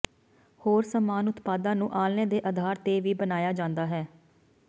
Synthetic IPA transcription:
hoːɾsəmaːnʊt̪paːd̪ãːnũːʔaːlnẽːd̪eːʔəd̪ʱaːɾt̪eːʋiːbənaːjaːd͡ʒãːnd̪aːɦɛː

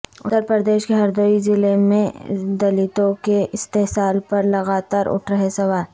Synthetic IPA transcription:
ʊt̪ːəɾpɾəd̪eːʃkeɦɐɾd̪oizɪlemḛ̃d̪ɐlɪt̪õkeɪst̪eɦsaːlpɐɾlɐɣaːt̪aːɾʊ̰ʈʰɾɐɦesɐʋaːɾ

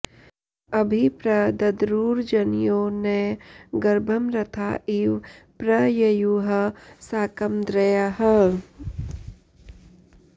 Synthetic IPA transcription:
ɐbʱipɾɐd̪ɐd̪ɾuːɾd͡ʒɐnjoːneɡɐɾbʱɐmɾɐt̪ʰaːiʋ | pɾɐjɐjuɦɐsaːkɐmd̪ɾɐjaɦɛ

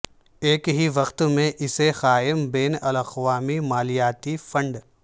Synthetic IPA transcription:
eːkɦiʋɐqt̪mẽʔɪsexaːɪmbeːnɐlɐxʋaːmimaːlijaːt̪ifɐ̃ɳɖ

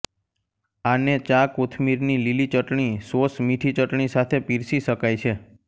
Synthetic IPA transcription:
anet͡ʃakot̪ʰmiɾnililit͡ʃəʈɳ̃isosmiʈʰit͡ʃəʈɳ̃isat̪ʰepiɾsiʃəkajt͡ʃʰe

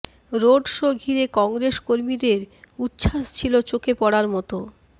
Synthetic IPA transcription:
ɾoɖʃoɡʱiɾekɔŋɾeskoɾmid̪eɾutːɕʰaʃt͡ɕʰilot͡ɕokepɔɽaɾmɔt̪o

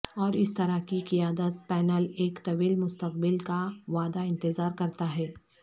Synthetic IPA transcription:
ɔːɾɪst̪ɐɾakiqijaːd̪ət̪̚pɛːnəleːkt̪ɐʋiːlmʊst̪əqbɪlkaʋaːd̪aɪ̃nt̪ɪzaːɾkɐɾt̪aɦɛː

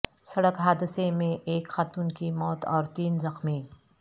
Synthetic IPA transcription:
sɐɽəkɦaːd̪ɪsemẽʔeːkxaːt̪uːnkimɔːt̪ɔːɾt̪iːnzɐxmĩ

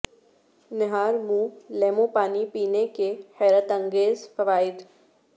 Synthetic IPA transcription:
nɪɦaːɾmũːleːmõpaːnipiːnekehɛːɾət̪ɐ̃ŋɡeːzfɐʋaːɪd̪

